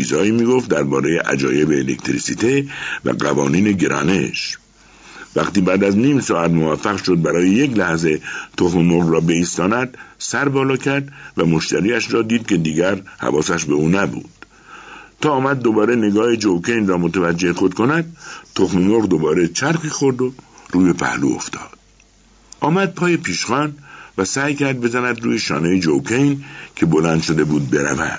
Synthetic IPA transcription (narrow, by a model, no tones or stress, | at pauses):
ḭːzɒːiːmiːɡo̞ft̪̚d̪æɾbɒːɾe̞jeʔæ̰d͡ʒɒ̰ːje̞beːlekt̪ʰɾisiːt̪ʰevæ̰ɢæ̰vɒ̰ːniːneɡeɾʔɒ̰ːne̞̰ʃ | væqt̪iːbæːd̪æzniːmsɒːæt̪movæfːæɣʃo̞d̪̚bæɾɒːjejeklæhze̞t̪ʰoxmemoʁɾɒːbe̞iːst̪ɒːnæd̪sæɾbɒːlɒːkʰæɾd̪væmo̞ʃt̪ʰæɾiːæʃɾɒːd̪iːd̪̚ke̞d̪iːɡæɾhæ̰vɒːsæʃbeuːnæbṵːd̪̥ | t̪ʰːɒːmæd̪̚ːobɒːɾe̞ne̞ɡɒːhed͡ʒowkʰejnrɒːmot̪ʰævæd͡ʒːe̞hexo̞d̪kʰo̞næd̪̚t̪ʰoxmemoɣd̪obɒːɾe̞t͡ʃʰæɾxiːxo̞ɾd̪oɾuːje̞pʰæ̰hlṵːo̰ft̪ʰɒ̰ːd̪̥ | ʔɒːmæd̪̚pʰɒːjepʰiːʃχɒːnvæsæːjkʰæɾd̪̚be̞zænæd̪ɾuːjeʃɒ̰ːnejed͡ʒowkʰejnkʲʰe̞bo̞lænd̪ʃo̞d̪e̞buːd̪̚be̞ɾæ̰væ̰d̪̥